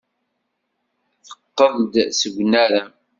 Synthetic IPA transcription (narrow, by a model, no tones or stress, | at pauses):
θə̥qːəðˤd̪səɡʷnæɾa